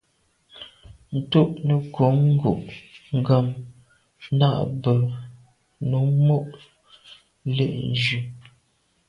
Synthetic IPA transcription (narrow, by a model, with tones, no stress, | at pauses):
n̩˨tu˦ʔnə˨ko˨˦ŋ̩˦ɡo̰˨ʔŋ̩˦˨ɡə˨m | na˦ʔbə˨ | nu˨˦mo˦ʔ | lḛ˦˨ʔn˦d͡ʒʉ˨